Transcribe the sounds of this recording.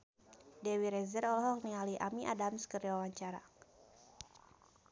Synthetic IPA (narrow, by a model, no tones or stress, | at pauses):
dɛwiɾɛzərɔlɔɦɔk̚nialiʔamiʔadamskərwawaɲt͡ʃaɾa